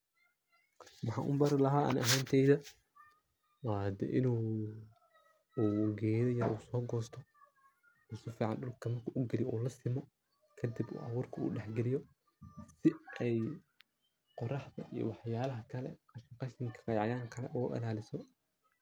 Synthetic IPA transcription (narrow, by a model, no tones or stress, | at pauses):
wɑħɑ̰ːʔʊ̰mbɐɾɪlɐɦaːʔɐ̰nɐɦaːnt̪ʰɛjðɐ | wɑːd̪ɛ̰ʔɪnuː | uːɡɛːðɛjɐɾʔuːsɔːɡɔːst̪ʰɔ | ʊsʊfiːʕɑnɗʊlkʰɐmɐrkʰɐʔʊɡɛlɪjʔuːlɐsɪmɔ | kʰɐd̪ɪbṵːʔɐwuːrkʰɐṵːɗɛħɡɛlɪjɔ | sɪɛj | qɔrɑħðɐʔḭjɔ̰wɑħjaːlɐɦɐkʰɐlɛqɑʃɪqɑʃɪŋkʰɐ̥qɑjʕɑjaːŋkʰɐlɛ̰ʔɔːʔɪ̰laːlɪsɔ